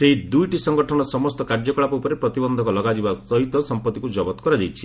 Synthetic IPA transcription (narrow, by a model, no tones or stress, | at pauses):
seɦid̪ujʈisɔŋɡɔʈʰɔnɔsɔmɔst̪ɔkaɾd͡ʒɔkɔɭapɔupɔɾepɾɔt̪ibɔnd̪ʱɔkɔlɔɡad͡ʒibasɔɦit̪ɔsɔmpɔt̪ikud͡ʒɔbɔt̪ɔ̥kɔɾad͡ʒajt͡ʃʰi̥